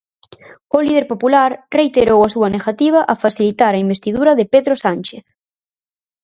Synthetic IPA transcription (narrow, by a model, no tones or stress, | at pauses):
oliðeɾpopulaɾrejt̪eɾowasuɐneɣat̪iβ̞ɐʔafasilit̪aɾɐimbest̪iðuɾɐðepeðɾosanʲt͡ʃeθ